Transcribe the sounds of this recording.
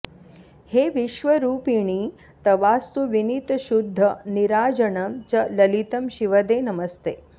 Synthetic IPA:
heːʋiʃʋɐɾuːpiɳ̃iː | t̪ɐʋaːst̪uʋinit̪ʃud̪ʱːɐniɾaːd͡ʒɐɳɐmt͡ʃɐlɐlit̪ɐmʃiʋɐd̪eːnɐmɐst̪eː

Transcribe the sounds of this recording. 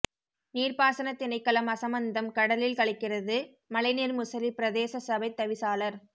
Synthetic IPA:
niːrpaːsɐnɐt̪ːɪnɐɪkːɐɭɐmɐsɐmɐnd̪ɐmkɐɽɐlɪlkɐɭɪkːɪrɐðɯ | mɐlɐɪniːɾmʊsɐlipɪɾɐðeːsɐsɐbɐɪt̪ːɐʋɪsaːlɐɾ

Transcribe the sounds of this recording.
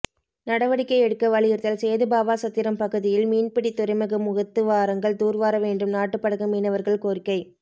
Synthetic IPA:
nɐɽɐʋɐɽɪkːɐɪɛɽɯkːɐʋɐɭɪjɪɾt̪ɐlsɛːðɯbaːʋaːsɐt̪ːɪɾɐmpɐɣɯðɪjɪlmiːnpɪɽit̪ːʊɾɐɪmɐɣɯmʊɣɐt̪ːɯʋaːɾɐŋɡɐɭt̪uːɾʋaːɾɐʋeːɳɖɯmnaːʈːɯpːɐɽɐɣɐmiːnɐʋɐɾɣɐɭkoːɾɪkːɐɪ

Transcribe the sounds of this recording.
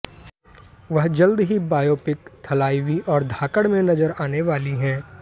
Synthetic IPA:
ʋɐɦd͡ʒɐld̪ɦibaːjoːpɪkt̪ʰɐlaːɪʋiʔɔːɾd̪ʱaːkəɽmẽnɐzəɾaːneʋaːliɦɛ̃ː

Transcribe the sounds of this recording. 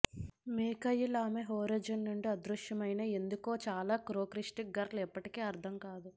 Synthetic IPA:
miːkɐjːilaːmeɦoːɾɐd͡ʒɐnːuɳɖiɐd̪ɾuʂjɐmɐjnɐe̞nd̪ukoːt͡ʃaːlaːkɾoːkɾiʂʈiɡɐɾlɛpːɐʈikeːɐɾd̪ʰʱɐmkaːd̪u

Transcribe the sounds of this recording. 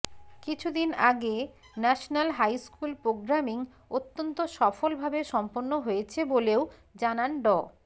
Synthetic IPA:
kit͡ɕʰud̪inaɡe | nɛʃonalɦajskulpɾoɡɾamiŋ | ot̪ːont̪oʃɔfolbʱabeʃɔmponːoɦojet͡ɕʰeboleo | d͡ʑananɖɔ

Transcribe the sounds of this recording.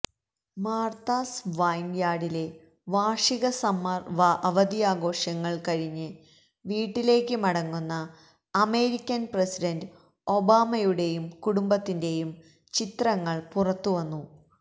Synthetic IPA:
maːrt̪aːsʋajnjaːɽile̞ | ʋaːʂiɣɐsɐmɐʋɐɐʋɐd̪iaːɡo̞ːʂɐŋːɐɭkɐɻiɲːɨ | ʋiːʈːile̞ːkːɨmɐɽɐŋːunːɐː | me̞ːɾikʲːɐnpresidɐnd | o̞baːmɐjuɽe̞jumkuɽumbɐt̪ːinde̞jum | t͡ɕit̪rɐŋːɐɭpurɐt̪ːuʋɐnːu

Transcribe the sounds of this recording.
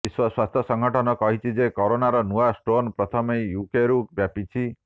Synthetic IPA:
iswɔswast̪ʰjɔsɔŋɡʱɔʈʰɔnɔkɔɦit͡ʃʰid͡ʒekɔɾonaɾɔnuasʈɾonpɾɔt̪ʰɔmejjukeɾubjapit͡ʃʰi

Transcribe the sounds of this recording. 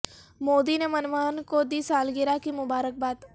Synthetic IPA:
moːd̪inemɐnʋaːnkod̪iːsaːlɡɪɾakimʊbaːɾək̚baːd̪

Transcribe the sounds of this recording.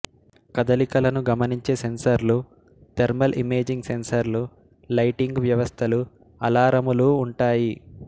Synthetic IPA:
kɐd̪ɐlikɐlɐnuɡɐmɐniɲt͡ʃe̞ːse̞nsɐɾlu | t̪eɾmɐlʔime̞ːd͡ʒiŋɡse̞nsɐɾlu | lɐjʈiŋɡʋjɐʋɐst̪ʰɐlu | ɐ̰laːɾɐmuluːɳʈaːji

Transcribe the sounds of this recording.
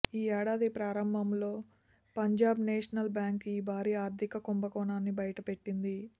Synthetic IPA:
iːɛːɽaːd̪ipɾaːɾɐmbʱɐmlo̞ː | pɐɲd͡ʒaːbneːʂɐnɐlbjaːŋkiːbʱaːɾiːaːɾt̪ʰikɐkombɐkɔːɳaːnːibɐjɐʈɐpe̞ʈːind̪i

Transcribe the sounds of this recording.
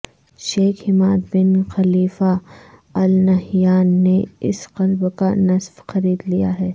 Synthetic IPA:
ʃeːxhɪmaːd̪bɪnxɐliːfa | ɐlnɐɦjaːnːeɪ̰sqɐlbkanɐsfxɐɾiːd̪lija̰ɦɛː

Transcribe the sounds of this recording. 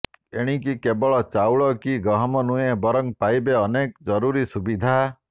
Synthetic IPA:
eɽ̃ikikebɔɭɔt͡ʃawɭɔkiɡɾɔɦɔmɔnujebɔɾɔŋpajbeɔnekd͡ʒɔɾuɾisubid̪ʱa

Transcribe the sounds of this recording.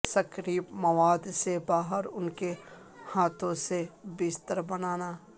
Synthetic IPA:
sɐkɾiːpmɐʋaːd̪sebaːɦəɾʊnke | haːt̪õsebɪst̪əɾbɐnaːnaː

